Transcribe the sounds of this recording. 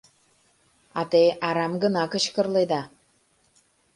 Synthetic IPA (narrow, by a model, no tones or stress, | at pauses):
ɑt̪eʔɑɾɑmɡə̆nɑkə̆t͡ɕkə̆rled̪ɑ